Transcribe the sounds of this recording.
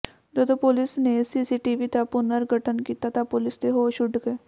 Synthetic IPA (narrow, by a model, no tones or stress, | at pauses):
d͡ʒəd̪õpʊlɪsnesiːsiːʈiːʋit̪apʊnəɾɡʱəʈənkiːt̪at̪ãpʊlɪst̪eɦoːʃʊɖɡeː